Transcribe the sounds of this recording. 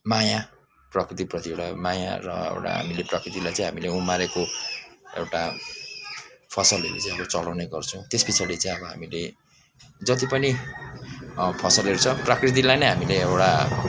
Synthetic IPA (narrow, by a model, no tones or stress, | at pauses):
maja | prʌkrit̪̬iprʌt̪ieɽamaja̰rʌ̰ḛwʈa̰ɦa̰mileprʌkrit̪ilajt͡sãj̃ɦamileumaɾeko | ewʈa | pʰʌsʌlɦḛɾṵt͡sãĩj̃ʌbʌt͡sʌlawneɡʌrt͡sʰʌ̃w̃t̪esbit͡sʰaɽit͡saĩʌbʌɦa̰mile | d͡zʌt̪ipʌni | pʰʌsʌlɦeɾut͡sʰʌprʌkrit̪̬ilajnʌjɦamileewɽa